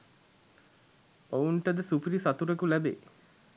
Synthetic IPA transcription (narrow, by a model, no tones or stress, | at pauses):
ouɳʈəd̪əsupiɾisat̪uɾekulæbeː